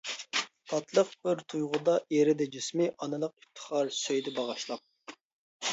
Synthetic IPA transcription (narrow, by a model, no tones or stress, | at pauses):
t̪ʰɑt̪lˠəq̚b̥ɪɾt̪ʰujʁʊd̪ɑeɾɪd̪ɛd͡ʒysmɪʔɑnɨlˠəq̚if̚t̪ʰə̥χɑɾsøjd̪ɛbɑʁɑʃlˠɑp̚